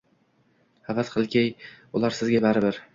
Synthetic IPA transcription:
havat̪qʰɨlˠkʲʰaj | ʊlaɾsɪzɡʲabaɾɪbɪɾ

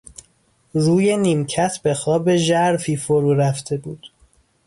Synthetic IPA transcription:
ruːje̞niːmcʰæt̪ʰbe̞xɒːbe̞ʒæɾfiːfoɾuːɾæft̪ʰe̞buːd̪̥

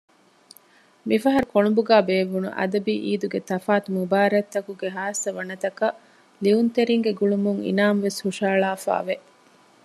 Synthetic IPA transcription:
mifɐɦɐɾukoɳubuɡaːbeːʋunṵʔɐ̰d̪ɐbiːʔiːd̪uɡet̪ɐfaːt̪umubaːɾɐt̪ːɐkuɡeɦaːsɐʋɐnɐt̪ɐkɐ | liunt̪eɾiŋɡeɡuɭumuŋḭnaːmʋeshuʂaːɭaːfa̰ːʋe

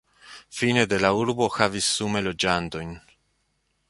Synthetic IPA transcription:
fine̞de̞lauɾbo̞xavisːume̞lo̞d͡ʒanto̞jn

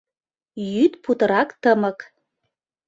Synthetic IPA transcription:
jyt̪put̪ɤ̆ɾɑkt̪əmə̆k

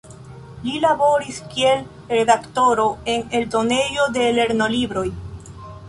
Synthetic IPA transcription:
lilabo̞ɾiskie̞l | ɾe̞dakto̞ɾo̞e̞ne̞ldo̞ne̞jo̞de̞le̞ɾno̞libɾo̞j

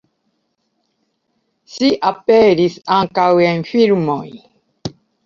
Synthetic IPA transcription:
siʔapeɾisaŋkawenfiɾmoj

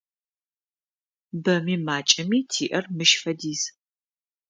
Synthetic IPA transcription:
bɐmiːmaːt͡ʃʼɐmiːtʰiːʔɐrmɨʃfɐdiːz

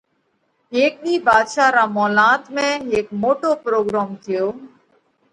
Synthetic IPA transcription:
eːk̚ɗiːbaːd̪ʃaːɾaːmɔːlaːt̪mẽeːkmoːʈoːpɾoːɡɾaːmt̪ʰɪjoː

